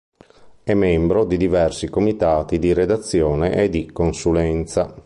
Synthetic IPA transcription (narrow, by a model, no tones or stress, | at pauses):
ɛmːɛmbɾod̪id̪ivɛrsikomit̪aːt̪id̪iɾed̪at̪sːjɔːnḛʔɛd̪ikonsulɛnt̪sa